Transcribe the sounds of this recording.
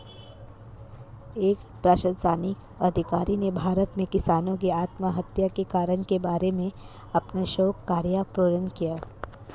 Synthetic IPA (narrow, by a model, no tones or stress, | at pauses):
eːkpɾaːʃəd̪saːnik | ɐd̪ʱɪkaːɾinebʱaːɾət̪mẽkɪsaːnõk̬iaːt̪maɦɐt̪jakekaːɾəɽkebaːɾemẽ | ɐpnaʃoːkːaːɾjapɾoːɾənkijaː